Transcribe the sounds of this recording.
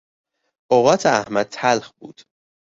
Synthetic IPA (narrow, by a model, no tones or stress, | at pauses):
ʔoɣɒːt̪ʰeæhmæd̪̚t̪ʰælhbuːd̪̥